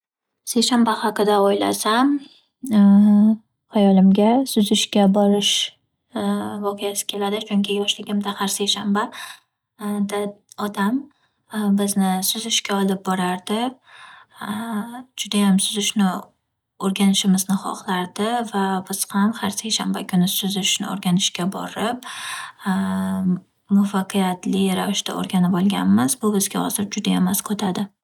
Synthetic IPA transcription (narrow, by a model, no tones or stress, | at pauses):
se̞jʃanbahaqɨd̪aojla̰sam | hajɒlɪmɡʲasʊzɪʃkʲabɒɾɪʃ | vɒqʰɨjasɪ̥kʲʰe̞lad̪ɪt͡ʃʰʊŋʲkʲʰɪjɒʃlɪɡʲɪmd̪ahaɾsejʃamba | d̪aɒd̪am | bɪznɪsʊzɪʃkʲaɒlɪp̚bɒɾaɾd̪ɪ | d͡ʒʊd̪ajamsʊzɪʃnɪ | oɾɡʲanɪʃɪmɪznɪχɒ̰χlˠaɾd̪ɪvabɪz̥hamhaɾsekʲʃambakʰʊnɪsʊzɪʃnɪ̰o̰ɾɡʲanɪʃkʲabɒ̰ɾɪp̚ | mʊfaqɨjat̪lɪɾavɪʃt̪a̰o̰ɾɡʲanɪpɒlˠɡʲa̰nmɪz̥bʊbɪzɡʲa̰hɒ̰zɪɾd͡ʒʊd̪ajemːaskʰɵt̪ʰad̪ɪ